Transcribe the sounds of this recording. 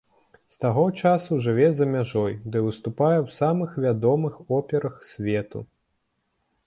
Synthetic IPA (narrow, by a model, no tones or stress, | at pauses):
st̪aɣɔt͡ʂasuʐɨvʲɛzɐmʲaʐɔjd̪ɨvɨst̪upajɛwsamɨxvʲad̪ɔmɨxɔpʲɛɾɐxsʲvʲɛt̪ṵ